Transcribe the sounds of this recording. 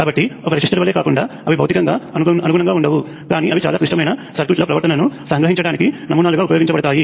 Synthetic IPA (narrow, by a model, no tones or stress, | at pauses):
kaːbɐʈːiɔkɐɾisiʂʈɐɾɐʋɐleːkaːkuɳɖaːɐʋibʱɐwt̪ikɐŋɡaːɐnɐnuɡunɐŋɡaːuɳɖɐʋu | kaːniʔɐʋit͡ʃaːlaːkɾiʂʈɐmɐjnɐsɐɾt̪iːʈloːpɾɐʋɐɾt̪ɐnɐnusɐŋɡɾɐɦiɲt͡ʃɐɽaːnikinɐmuːnaːluɡaːupɐjoːɡiɲt͡ʃɐbɐɽɐt̪aːji